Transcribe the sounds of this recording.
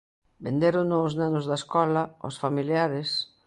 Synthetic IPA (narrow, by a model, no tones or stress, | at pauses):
bend̪eɾʊnoznanʊzðaeskɔlɐo̰sfamiljaɾɪs